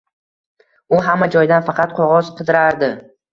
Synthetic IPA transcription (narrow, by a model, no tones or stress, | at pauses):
ʊɦamːad͡ʒɒjd̪anfɑqʰɑt̪̚qʰoʁɒz̥qʰɨd̪ɪɾaɾd̪ɪ